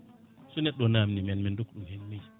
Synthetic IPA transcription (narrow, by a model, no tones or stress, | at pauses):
sunɛɗːɔnamnimɛnmɛndukɗumhɛnmaj